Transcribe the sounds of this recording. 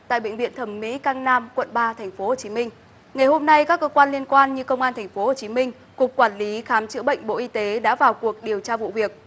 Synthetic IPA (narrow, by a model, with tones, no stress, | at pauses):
t̪a̰ː˧˨jɓḛ˧˨ŋ̟vḭ˧˨ənt̪ʰə˧˩mːḭ˧˥kaː˧ŋnaː˧mkwə̰˧˨nɓaː˧t̪ʰɛ˨˩jŋ̟fo˨˦ho˨˩t͡ɕi˨˦mï˧ŋ̟ | ŋa˨˩jɦo˧mna˧jkaː˦˥kːəː˧kwaː˧nli˧ənkwaː˧nɲɨ˧kə˧wŋ͡mʔaː˧nt̪ʰŋ̟fo˨˦ho˨˩t͡ɕi˨˦mï˧ŋ̟ | kʊ˨˩k͡p̚kwaː˧˩nli˨˦xaː˨˦mt͡ɕɨ̰˧˥əɓə̰˧˨jŋ̟ɓo̰˧˨ʔi˧t̪e˨˦ɗa̰ː˧˥vaː˨˩wku˨˩ək̚ɗi˨˩əwt͡ɕaː˧vṵ˧˨vi˨˩ək̚